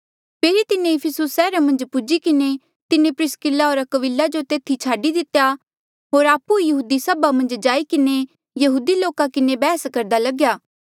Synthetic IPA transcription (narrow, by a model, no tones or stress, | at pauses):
pʰeːɾit̪ɪnẽɪpʰɪsʊsːɛːɾamɐ̃nd͡ʒpʊd͡ʒikɪne | t̪ɪnẽpɾɪskɪlaɦoːɾəkəʋɪlːad͡ʒot̪eːt̪ʰit͡ʃʰaːɖid̪ɪt̪ja | ɦoːɾaːpuijɐɦuːd̪isɐbamɐ̃nd͡ʒd͡ʒaːikɪne | jɐɦuːd̪iloːkakɪnebɛːskɐɾd̪alɐɡjaː